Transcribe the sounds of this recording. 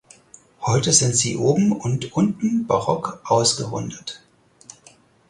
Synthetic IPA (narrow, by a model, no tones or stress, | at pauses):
hɔʏtəz̥ɪntz̥ḭːʔoːbm̩ʊntʔʊntn̩baʁɔkʔaʊsɡ̥əʁʊ̰ndət